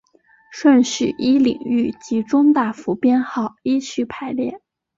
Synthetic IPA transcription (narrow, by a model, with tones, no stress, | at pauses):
ʂwə˥˧nɕ̩˨˩ʔi˥lḭ˨˩ŋy˥˩t͡ɕi˧˥ʈ͡ʂʊ˥ŋt̪a˥˩fu˧˥pjɛ˥nxɑ˥˩ʊi˥ɕʰy˥˩pʰa˧˥ɪljɛ̰˥˩n